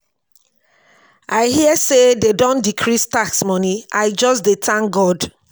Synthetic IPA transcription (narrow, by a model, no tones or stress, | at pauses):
aɪhiəsededõndikʰɹistaksmɔniaɪd͡ʒɔsdetʰãŋɡɔd